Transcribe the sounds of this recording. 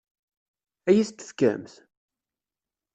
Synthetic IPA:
æjist̪θkæ̰mθ

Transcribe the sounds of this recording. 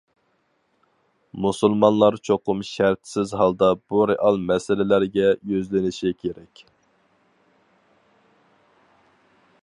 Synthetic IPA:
musulˠmɑnlˠɑɾt͡ʃʰoqʊmʃæɾt̪sɪzɦɑlˠd̪ɑb̥uɾeʔɑlˠmɛsɪlɪlæɾɡʲɛjøzlɪnɪʃikʲʰeɾɛkʲ

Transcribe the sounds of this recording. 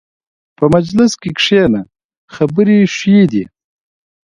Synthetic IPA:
pəmad͡ʒlɪskekʂena | xɐbəɾiʃid̪i

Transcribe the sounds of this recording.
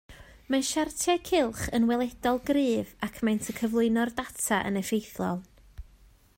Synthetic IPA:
manʃartʰɛkʰɪlˠχənwɛlˠɛdɔlˠɡrɨːvakʰmajntʰəkʰəvlˠʊɨnɔrdatʰaʔə̰nəfejθlˠɔ̰lˠ

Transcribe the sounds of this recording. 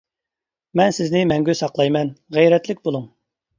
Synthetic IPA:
mɛnsɪznɪmɛŋɡʲysɑqlˠɑjmɛnʁɛjɾɛt̪lɪkʲbolˠuŋ

